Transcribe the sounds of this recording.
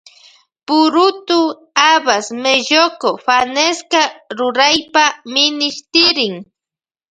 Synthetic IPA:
pʊɾʊt̪ʊ | abasmeʒokofaneskaɾʊɾajpamɪnɪʃt̪ɪɾɪŋ

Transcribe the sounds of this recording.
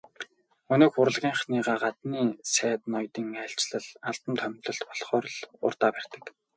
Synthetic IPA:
ɵnoːkxʊɾə̆ɮʁʲiːɴχniːʁaːɢat̪niːsæːt̪nɔjt̪iːŋæɬʲt͡ɕɮə̆ɮaɮt̪ə̆nt̪ʰœmʲt̪ɮɞ̆ɬt̪pɔɮχɔːɾɮʊ̰rt̪aːpær̥ʲt̪ə̆k

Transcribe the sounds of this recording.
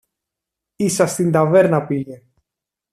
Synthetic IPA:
isɐst̪ind̪ɐve̞ɾnɐpije

